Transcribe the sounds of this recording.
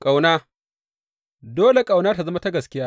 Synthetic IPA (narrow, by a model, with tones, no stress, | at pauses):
kʼa˨wnaː˦ | doː˦le˨kʼa˨wnaː˦ta˨zɐ˦ma˦ta˦ɡɐ˨skʲɪ˦jaː˦